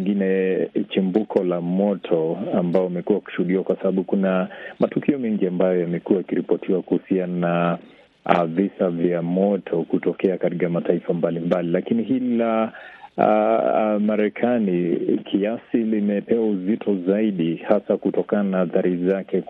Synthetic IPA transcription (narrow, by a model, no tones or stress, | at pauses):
ŋɡinɛt͡ʃimbukʰɔlamɔtʰɔambaɔmɛkuwaku̥ʃuhuɗiwakwasaɓaɓukunamatukiɔmɛŋɡiambajɔjamɛkuwajikiɾipɔtʰiwakuhusiana | visavjamɔtʰɔkutɔkɛakatikamataifambalimbalilakiniɦila̰ | maɾɛkʰanikʰiasilimɛpɛwauzitʰɔzaiɗihasakutɔkananaaθaɾizakɛ